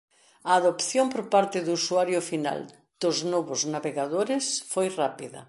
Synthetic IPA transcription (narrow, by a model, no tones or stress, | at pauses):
ɐːðopθjompoɾpaɾt̪ɪðuusuaɾjʊfina̰l | d̪̥ʊznoβʊznaβeɣaðoɾɪsfojrapiðɐ̰